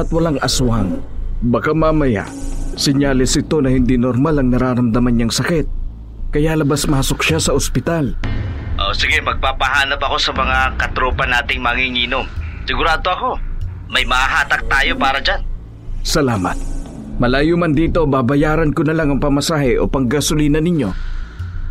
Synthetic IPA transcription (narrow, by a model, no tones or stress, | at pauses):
ʔɐt̪̚wɐlaŋʔɐsʊɐŋbɐkamaːmɐja̰sɛɲaːlɛsɪt̪o̞nɐhɪnd̪inoɾmalɐŋnɐɾaːɾɐmd̪ɐmanːɲaŋsɐkɛt̪̚ | kɐjalɐbasmɐhɐsok̚ʃasɐʔospɪt̪alʔo̰sɪɡɛmɐɡ̚papɐhaːnɐpɐko̞sɐmɐŋakɐt̪ɾoːpɐnaːt̪ɪŋmaŋiŋiːnomsɪɡʊɾaːd̪oɐko̞ | mɐjmɐhaɦaːt̪ɐk̚t̪aːjo̞paːɾɐd͡ʒan | sɐlaːmɐ̰t̪̚ | mɐlaːjʊmɐnd̪iːt̪o̞babɐjaːɾɐnkonɐlaŋɐŋpɐmɐsaːhɛʔo̞̰pɐŋɡɐsʊliːnɐnɪɲːo̞